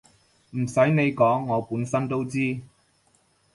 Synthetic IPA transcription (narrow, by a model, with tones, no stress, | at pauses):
m̩˨˩sɐ˨˥jne˨˧jkɔː˨˥ŋːɔː˨˧puː˨˥nsɐ˥nt̪o˥wt͡siː˥